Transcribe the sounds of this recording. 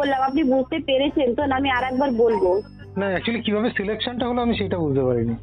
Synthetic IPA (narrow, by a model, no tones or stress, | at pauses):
olːamapnibud͡ʑʱt̪epeɾet͡ɕʰent̪onaamiaɾɛk̚baɾbolbo | naɛk̚t͡ɕualikibʱabesilekʃonʈaɦoloamiʃejʈabud͡ʑʱt̪epaɾini